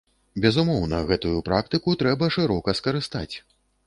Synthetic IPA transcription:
bʲɛzumɔwnɐɣɛt̪ujupɾak̚t̪ɨkut̪ɾɛbɐʂɨɾɔkɐskɐɾɨst̪at͡sʲ

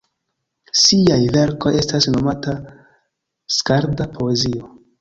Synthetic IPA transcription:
siajve̞ɾko̞je̞stasno̞mata | skaɾdapʰo̞e̞zio

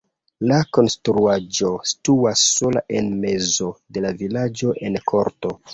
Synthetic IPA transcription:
lako̞nstɾuad͡ʒo̞si̥tuasːo̞la̰ʔenme̞zo̞de̞lavilad͡ʒo̞ʔe̞nkʰo̞ɾto̞

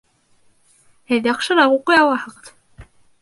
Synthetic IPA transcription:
hɘðjɑqʃɤɾɑʁuqɤjɑwɑhɤ̆ʁɤð̥

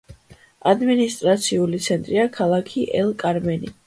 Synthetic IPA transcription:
ad̪minist̪ʼɾat̪sʰiulit̪sʰɛnt̪ʼɾiakʰalˠakʰiʔɛlˠkʼaɾmɛnḭ

